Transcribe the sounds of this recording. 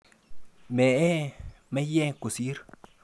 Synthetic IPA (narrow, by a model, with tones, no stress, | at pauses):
me˨ʔe˦ | me˦je˦ku˨si˦ɾ